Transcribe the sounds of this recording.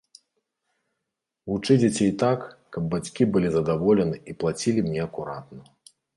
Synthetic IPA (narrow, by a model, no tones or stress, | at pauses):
vut͡ʂɨd͡zʲat͡sʲɛjt̪akː | ɐbːat͡sʲkʲibɨlʲizɐd̪avɔlʲɛnɨiplˠat͡sʲilʲimnʲɛɐkuɾat̪nɐ